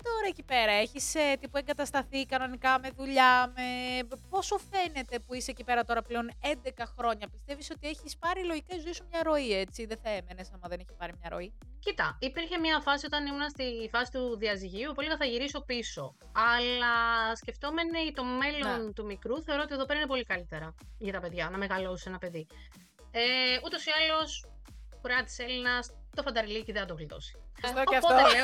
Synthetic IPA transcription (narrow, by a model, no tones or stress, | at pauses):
t̪o̞ɾɐecipe̞ɾɐe̞çiset̪ipue̞ŋɡɐt̪ɐst̪ɐθikɐno̞nikɐme̞ðuʎɐme̞po̞so̞fe̞ne̞t̪e̞puiseecipe̞ɾɐt̪o̞ɾɐple̞o̞ne̞nd̪e̞kɐxɾo̞ɲɐpist̪e̞visot̪ie̞çispɐɾiloʝicezuesumɲɐɾo̞ie̞t͡siðeθɐe̞me̞ne̞sɐmɐðeneçi̥pɐɾimɲɐɾo̞̰i | cit̪ɐ̰ipiɾçe̞mɲɐfɐsio̞t̪ɐnimunɐst̪ifɐsi̥t̪uðiɐziʝiupoliɣɐθɐʝiɾiso̞piso̞ | ɐlɐsce̞ft̪o̞me̞neit̪o̞me̞loo̞nt̪umikɾuθe̞o̞ɾoot̪ie̞ðope̞ɾɐinep̬o̞likɐlit̪e̞ɾɐʝɐt̪ɐpe̞ðʝɐnɐme̞ɣɐlo̞sise̞nɐpe̞ði | eut̪o̞siɐlo̞s | kuɾeɐt̪i̥se̞linɐs | t̪o̞fɐnd̪ɐɾiliciðeθɐt̪oɣlit̪o̞̰si̥ooɐfpot̪ee